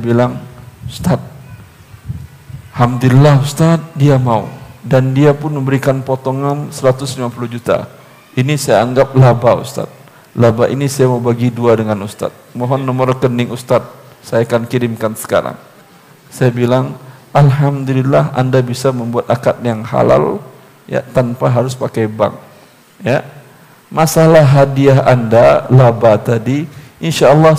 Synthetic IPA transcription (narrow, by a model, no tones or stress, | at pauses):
bilaŋust̪at̪̚ | hamd̪ulilahust̪at̪̚diamaṵdandiapʊnməmbəɾikanpot̪ɔŋansəɾat̪ʊslimapulʊhd͡ʒut̪a̰ | inisajaːŋɡap̚labaṵst̪a̰t̪̚ | labaʔinisajamaubaɡiduadəŋanust̪a̰t̪̚mɔɦɔnːɔmɔrkənɪŋust̪at̪̚sajakankiɾɪmkansə̥ka̰ɾa̰ŋ | sajabilaŋalɦamd̪ulilːaɦa̰ndabisaməmbuat̪akat̪̚jaŋɦa̰la̰l | ja̰t̪anpaɦaɾʊspakajba̰ŋ | ja | masalahɦadiaɦa̰ndalabat̪adiinʃaːlːɑ